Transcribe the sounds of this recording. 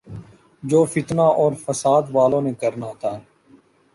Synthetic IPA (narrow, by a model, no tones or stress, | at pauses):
d͡ʒoːfɪt̪naːʔɔːɾfəsaːd̪ʋaːlõːnekəɾnaːɦot̪ʰaːɦɛː